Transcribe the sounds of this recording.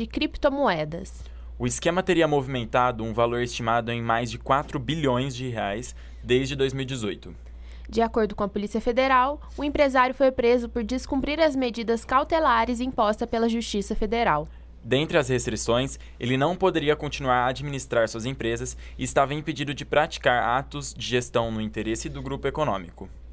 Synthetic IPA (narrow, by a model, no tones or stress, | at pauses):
ɪkɾipt̪omoɛd̪ɐ̰s | ʊɪskẽmɐt̪eɾiɐmovimẽnt̪ad̪ʊũvaloɾest͡ʃimad̪ʊẽj̃majzd͡ʒɪkwat̪ɾʊbiʎõj̃zd͡ʒɪɦeajs | d̪ejzd͡ʒɪd̪ojzmiwid͡ʒɪzojt̪ʊ | d͡ʒɪakoɾd̪ʊkõɐpolisiɐfed̪eɾaw | ʊẽpɾezaɾjʊfojpɾezʊpoɾd͡ʒɪskũmpɾiɾɐzmed͡ʒid̪ɐskawt̪elaɾɪzĩpɔst̪ɐpelɐʒust͡ʃisɐfed̪eɾaw | d̪ẽnt̪ɾɪɐshest̪ɾisõj̃s | elɪnɐ̃w̃pod̪eɾiɐkõnt͡ʃinuaɾɐːd͡ʒiminist̪ɾaɾsuɐzẽpɾezɐs | ɪːst̪avɐẽj̃ped͡ʒid̪ʊd͡ʒɪpɾat͡ʃi̥kaɾa̰t̪ʊzd͡ʒɪʒest̪ɐ̃w̃nʊĩnt̪eɾesɪd̪ʊɡɾupʊekonõ̰mikʊ